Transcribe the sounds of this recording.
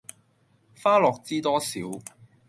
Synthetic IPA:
faː˥lɔː˨k̚t͡siː˥t̪ɔː˥sḭː˨˥w

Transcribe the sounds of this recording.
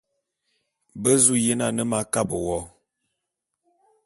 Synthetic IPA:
bə˦zu˦je˦na˨nə˦ma˦ka˦bə˨wɔ˨˦

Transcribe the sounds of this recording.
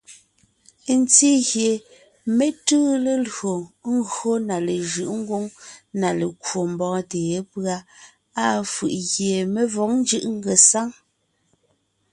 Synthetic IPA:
nt͡si˦ɣje˨ | me˦tʉː˦le˨lɰo˨ŋ̩˦ɡo˦na˨le˨ʒɯ˨ʔŋ̩˦ɡwo˦ŋna˨le˨kwo˨m̩˨bɔː˨˦teː˨e˦pɰa˦ | a˦˨fɯ˨ʔɣje˨me˨vɔ˨˦ŋn˦d͡ʒɯ˦˨ʔŋ̩˦ɡe˨sa˦ŋ

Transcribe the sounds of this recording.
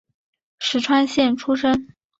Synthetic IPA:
ʂɻ̩˧˥ʈ͡ʂʰwa˥nɕjɛ˥˩nʈ͡ʂʰu˥ʂə˥ŋ

